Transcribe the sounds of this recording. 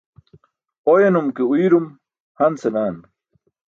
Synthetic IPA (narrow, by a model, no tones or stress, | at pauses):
ojenumkeuiɾum | hɐnsenaːn